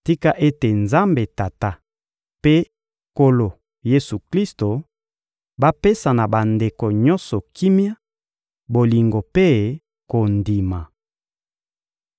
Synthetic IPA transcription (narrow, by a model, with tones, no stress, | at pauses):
ti˦ka˦ʔe˦te˨nza˦mbe˨ta˨ta˦ | pe˦ | ko˦lo˨ | je˦su˨kli˦sto˨ | ba˦pe˦sa˨na˨ba˨nde˨ko˨ɲɔ˦nsɔ˨ki˦mja˦ | bo˨li˨ŋɡo˨pe˦ | ko˨ndi˨ma˨